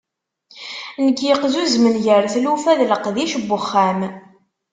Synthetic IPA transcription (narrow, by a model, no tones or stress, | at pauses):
nəɡjəqzuzmənʝəɾθlufæðləqðiʃbːʊχːæm